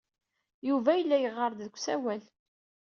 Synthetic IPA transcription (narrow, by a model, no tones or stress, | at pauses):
juvæjəlːæjəʁːəɾˤd̪ðəkʷːsæwæl